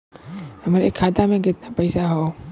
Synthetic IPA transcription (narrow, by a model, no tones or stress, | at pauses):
hɐmɾekʰːaːt̪amẽkɪt̪napɐɪsaɦoː